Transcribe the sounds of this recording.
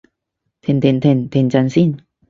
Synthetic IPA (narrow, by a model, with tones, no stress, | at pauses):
t̪ʰe˨˩nt̪ʰe˨˧˩nt̪ʰe˨˧˩nt̪ʰe˨˩nt͡ɕa˧nsi˥˨n